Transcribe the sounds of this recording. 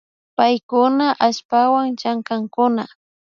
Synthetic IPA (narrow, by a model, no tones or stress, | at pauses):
pajkʊnaʔaʃpawaŋt͡ʃaŋkaŋkʊna